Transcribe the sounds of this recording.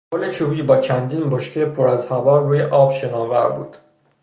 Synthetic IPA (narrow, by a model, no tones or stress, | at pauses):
pʰolet͡ʃʰuːbiːbɒːt͡ʃʰænd̪iːnboʃkʰepʰoɾæzhævɒːruːjeʔɒːbʃenɒːnvæ̰ɾbṵːd̪̥